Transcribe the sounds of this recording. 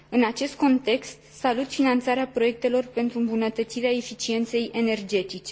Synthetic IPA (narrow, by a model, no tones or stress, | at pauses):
ɨnat͡ʃe̞st̪̚ko̞nt̪e̞kst̪salut̪finant̪saɾeapɾo̞je̞k̚t̪e̞lo̞rpe̞nt̪ɾuɨmbunət̪ət̪siɾeae̞fit͡ʃie̞nt̪se̞jʔe̞ne̞rd͡ʒe̞t̪it͡ʃe